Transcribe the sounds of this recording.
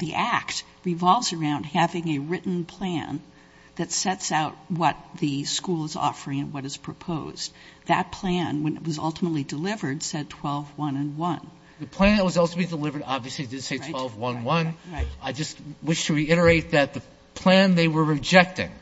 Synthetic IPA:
ðiʔækt̚ | ɹivɑlˠvzə˞ãʊ̃nd̚hævɪ̃ŋɨɹɪʔn̩pʰl̥æ̰̃n | ðɨtsɛtsaʊt̚wʌt̪̚ðɨskulˠəzɔ̰fə˞ɪ̃ŋɨ̃nwʌɾɨz̥pʰɹ̥ɨpʰoʊz̥ | ðɨt̚pʰl̥æ̃nwɨ̃nɨ̰ʔ̚wʌzʌ̰lˠtəmətˡlidɨlɪvə˞d̥sɛd̚tʰw̥ɛlˠvwʌ̃nɨ̃nwʌ̃n | ðɨpʰl̥æ̃nðɨt̚wʌzɔlˠsoʊbĩdəlɪvə˞ɾɑbviɨslidɨdseɪtɪwɛlˠvwʌ̃nwʌ̃nɹaɪt̚aɪd͡ʒʌst̚wɪʃtʰɨɹiɪɾə˞eɪt̪̚ðɨt̪̚ðɨ | pʰl̥æ̃nðeɪwə˞ɹɨd͡ʒɛk̚tɪ̰̃ŋ

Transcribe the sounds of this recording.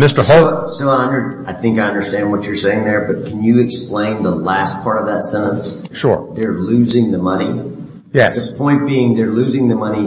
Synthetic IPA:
mɪstə˞ɦosoʊaɪʌ̃ndə˞aɪθɪ̃ŋkaɪʌ̃ndə˞stæ̃nd̚wʌt͡ʃə˞seɪɪ̃ŋðə˞bʌt̚kʰɨ̃n̩jɨːksplẽɪ̃nðəlæst̚pʰɑɹɾʌvðətsɛ̃ñtə̃ns | ʃʊ̰ɹðə˞lʉzɪ̃ŋðɨmʌni | jɛ̰ðɨpʰɔ̃ɪ̃nb̥iɪ̃ŋðə˞lʉzɪ̃ŋðɨmʌni

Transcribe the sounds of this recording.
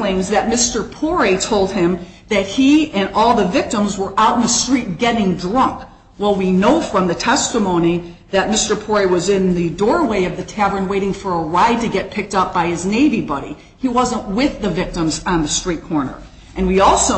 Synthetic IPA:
lɪ̃ɪ̃ŋzðɨt̚mɪstə˞pʰɔɹeɪtʰoʊlˠd̚ɪ̃m | ðɨt̚hiɨ̃nɔlˠðəvɪk̚tə̃mzwə˞ʔaʊɾn̩ðəstɹ̥it̚ɡ̥ɛɾɪ̃ŋdɹʌ̃ŋk | waɪlˠwinoʊfɹʌ̃mðɨtʰɛstəmõʊ̃ñi | ðɨt̚mɪstə˞pʰɔɹeɪwʌzɪ̃nðɨdɔɹweɪʌvðɨtʰævə̃˞nweɪɾɪ̃ŋfə˞əɹaɪd̚tɨɡɛt̚pʰɪk̚tʌp̚b̥aɪɨzneɪvibʌɾḭ | iwʌzə̃nʔwɪðɨvɪk̚tə̃mz̃n̩ðɨstɹ̥it̚kʰɔɹnə̰˞ | ʔɨ̃nwiɔlˠsoʊ

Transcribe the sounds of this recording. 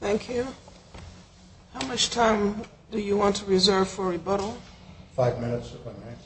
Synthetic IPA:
θæ̃ŋkʰjʉ | haʊmʌt͡ʃtʰãɪ̃m | d̥ɨjɨwɑ̃ntʰuɹizɜ˞v̥fə˞ɨbʌɾl̩ˠfaɪvmɪ̃nɨtsãmæ̃

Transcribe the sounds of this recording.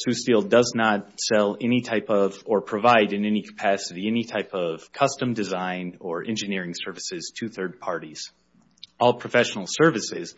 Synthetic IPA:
sʉstilˠdʌznət̚sɛlˠɛnitʰaɪpʌvə˞pʰɹ̥ɨvaɪɾɨ̃nɛnikʰə̥pʰæsɨɾiɛnitʰaɪpʌv̥kʰʌstɨ̃mdɨzãɪ̃nə˞ʔɛ̰̃nd͡ʒɨnɪɹɪ̃ŋsɜ˞vɨsɪz̥tʰɨθɜ˞d̚pʰɑɹɾiz̥ | ɔlˠpʰɹ̥ɨfɛʃn̩l̩ˠsɜ˞vɨsɪz̥

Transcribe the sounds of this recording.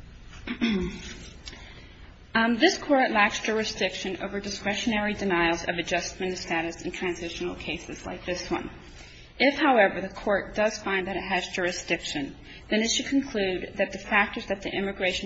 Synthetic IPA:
ðɪskʰɔɹtˡlæksd̥ʒ̥ʊɹɨsd̥ɪkʃɨ̃no̰ʊvə˞dɨskɹɛʃɨnɛɹidɨnaɪl̩ˠzʌ̰vɨd͡ʒʌst̚mɨ̃nʌ̥stæɾɨsn̩tʰɹ̥æ̃nzɪʃn̩l̩ˠkʰeɪsɨz̥la̰ɪk̚ðɪswʌ̰̃n | ʔɪfhaʊɛvə˞ðɨkʰɔɹt̚d̥ʌz̥fãɪ̃nðɨɾɨt̚ɦɨzd͡ʒʊɹɨsd̥ɪkʃɨ̃n | ðɨ̃nɨtʃɨd̚kʰn̩kʰl̥ʉd̪̚ðɨt̪̚ðɨfæk̚tə˞zðɨt̪̚ðiʔɪ̃mɨɡɹeɪʃ

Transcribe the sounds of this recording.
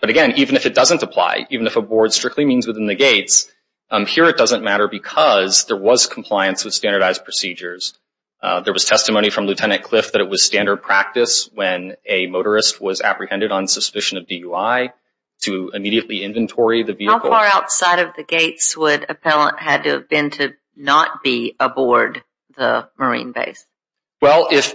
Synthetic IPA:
b̥ʌɾɨɡɛ̃nivɨ̃nɨfɨt̚d̥ʌzə̃ntəpʰl̥a̰ɪʔivɨ̃nɨfəbɔɹd̥stɹ̥ɪk̚tˡlimĩnzwɨðɪ̃nðɨɡeɪts | hiɹɨt̚d̥ʌzə̃nmæɾə˞bɨkʰʌzðə˞wʌz̥kʰm̩pʰl̥aɪɨ̃nswɨð̥stæ̃ndə˞ɾaɪz̥pʰɹ̥ɨsid͡ʒə˞z̥ | ðə˞wʌz̥tʰɛstɨmõʊñifɹʌ̃mlʉtʰɛnɨ̃nkʰl̥ɪfðɨɾɨt̚wʌz̥stæ̃ndə˞d̚pʰɹ̥æk̚tɨswɨ̃nɨmoʊɾə˞ɨst̚wʌzæ̰pɹihɛ̃ndɨɾn̩səspɪʃɨ̃nʌvdijʉaɪ | ɾɨɨmiɾiɨʔˡliɪ̃ɱvɨ̃ntʰɔɹiðɨviɨaʊkf̩ˠɑɹaʊtsaɪɾʌvðɨɡeɪtswəɾɨpʰɛlˠə̰̃nʔɦɨd̚tɨːvbɪ̃ntʰɨ | nət̚b̥iəbɔɹd̪̚ | ðəmə˞ḭ̃nbḛɪs | wɛlˠɪf

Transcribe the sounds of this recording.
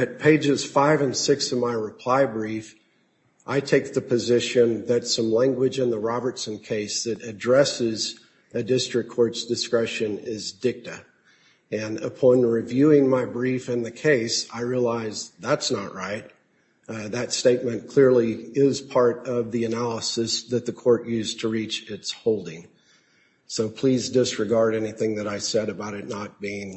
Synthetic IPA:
ɨt̚pʰeɪd͡ʒɨz̥faɪvɨ̃nsɪksʌvmaɪɹɨpʰl̥aɪbɹif | ʔaɪtʰeɪk̚ðɨpʰɨzɪʃɨ̃nðɨtsʌ̃mlæ̃ŋɡwɨd͡ʒɨ̃nðəɹɑbə˞tsɨ̃nkʰeɪsðɨɾɨdɹɛsɪz | ɨdɪstɹ̥ɨkʰːɔɹtsd̥ɨskɹɛʃɨ̃nɪzdɪk̚tɨ | ɨ̃nə̰pʰɑ̃nɹivjʉɪ̃ŋmaɪbɹifɨ̃nðɨkʰeɪsaɪɹiəlaɪzðætsnəʔɹaɪt̚ | ðɨtsteɪt̚mɨ̃nkʰl̥ɪɹliɪz̥pʰɑɹɾʌvðiɨnælˠəsɨsðɨt̪̚ðɨkʰɔɹʔjʉztʰəɹit͡ʃɪtshoʊlˠdɪ̃ŋ | soʊpʰl̥izdɪsɹɨɡɑɹɾɛniθɪ̃ŋðɨɾaɪsɛɾɨbaʊɾɨtⁿnət̚b̥iɪ̃ŋ

